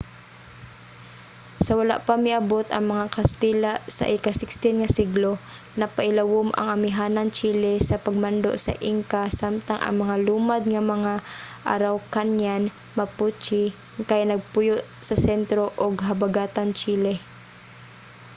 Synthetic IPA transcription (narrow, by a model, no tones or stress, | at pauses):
sɐwɐla̰ʔpamɪʔɐbot̪ʔɐŋmɐŋakɐst̪ilasɐ̰ʔɪkasɪkst̪ɪnŋɐsɪɡlo | nɐpɐʔɪlɐwʊmʔɐ̰ŋɐmɪɦaːnant͡ʃiːlɛsɐpɐɡ̚mand̪o̰ʔsɐ̰ʔiŋkasamt̪aŋʔɐ̰ŋmɐŋaluːmad̪̚ŋɐmɐŋaʔa̰ɾawkanjan | mɐput͡ʃɪ | kajnɐɡ̚pʊjʊʔsɐsɛnt̪ɾoʔoɡɦɐbaɡaːt̪ant͡ʃiːlɛ